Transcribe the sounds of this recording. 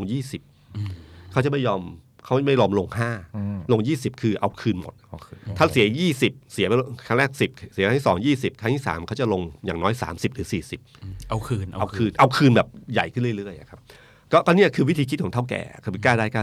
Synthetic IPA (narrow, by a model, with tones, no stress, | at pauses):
ŋjiː˥˩si˨˩p̚ | kʰa˦˥wt͡ɕa˨˩ma˥˩jɔː˧m | kʰa˦˥˩ma˥˩jɔː˧mlo˧ŋhaː˥˩lo˧ŋjiː˥˩si˨˩p̚kʰɯː˧ʔa˧wkʰɯː˧nmo̰˨˩t̪̚ʰːaː˥˩si˩˦jiː˥˩si˨˩p̚si˩˦pa˧a˥˩ŋɾɛː˥˩k̚si˨˩p̚si˨˦ka˧˥t̪ʰi˥˩sɔː˩˦ŋjiː˥˩si˨˩p̚kʰa˧˥˩t̪ʰi˥˩sa̰ː˩˦mkʰa˦˥wt͡ɕa˨˩lo˧ŋjaː˨˩ŋnɔː˦˥jsa̰ː˩˦msi˨˩p̚ɾɯː˩˦siː˨˩si˨˩p̚ʔa˧wkʰɯː˧n˧ʔa˧kʰɯː˧nʔa˧wkʰɯː˧nbɛː˨˩p̚ja̰˨˩jkʰɯ˥˩nlɯ˥˩˨ɾɯ˥˩əjʔa̰˨˩kʰa˦˥p̚ | kɔː˥˩kɔː˧˥˩nːi˥˩ɐkʰɯː˧wi˦˥t̪ʰiː˧ki˦t̪̚ʰɔː˨˩˦t̪ʰa˥˩wkɛ̰ː˨˩kʰa˧˩wi˧˦˥kaː˥˩daː˥˩jkaː˥˩